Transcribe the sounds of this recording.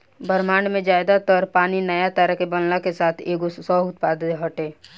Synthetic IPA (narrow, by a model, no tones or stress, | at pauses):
bəɾmaːɳmẽd͡ʒaːɪd̪at̪ɔːɾpaːninəjat̪əɾəɦkebɐnlakesaːt̪ʰeːkosɔːʊt̪̚paːd̪t̪eɦəʈeː